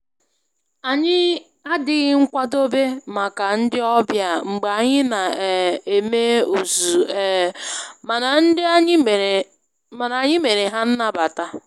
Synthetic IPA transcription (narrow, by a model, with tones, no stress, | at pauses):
a˨ɲɪ˦ | a˦dɪ˦ɣɪ˦ŋ̩˦kʷa˦do˦be˦ma˨ka˨n̩˦dɪ˦ɔ˦bja˨ŋ͡m̩˨ɡ͡ba˨ɲɪ˦na˨e˨me˦u˨zu˨˦˨ | ma˨na˨n̩˦dɪ˦a˦ɲ˦m˨ | ma˨na˨ɲɪ˦me˨ɾe˨ɦa˦n̩˦na˦ba˨ta˦